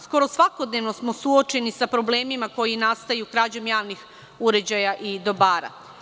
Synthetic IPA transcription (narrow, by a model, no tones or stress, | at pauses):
sko̞ɾo̞sʋako̞d̪ne̞ʋno̞smo̞suot͡ʃe̞nisapɾo̞ble̞ːmimako̞jinast̪ajukɾaːd͡ʑomjaːʋnix | uɾe̞d͡ʑajaʔid̪o̞baːɾa̰